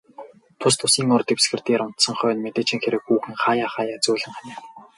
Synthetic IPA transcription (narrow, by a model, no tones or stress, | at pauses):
t̪ʰʊst̪ʰʊsiːŋʊrt̪ĭkpsɡɘ̆rt̪iːɾʊn̥t̪sə̆ŋχœːnmet̪eːt͡ɕɪ̆ŋxeɾɘ̆kxuːxɘ̆ŋχaːjaːχaːjaːt͡sʊːɮɘ̆ŋχanʲăː